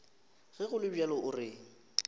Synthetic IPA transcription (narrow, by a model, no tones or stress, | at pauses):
ɣɛɣʊlɪbɛlɔʔʊrɪ